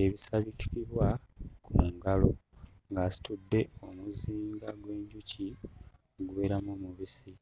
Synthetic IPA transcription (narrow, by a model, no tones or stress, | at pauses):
eβisaβiti̥kiβwakʰuŋɡalo̞ŋɡaːsi̥tudːe̞o̞muziːŋɡaɡwe̞ːɲɟuci | oɡuβe̞ːɾamoːmuβisi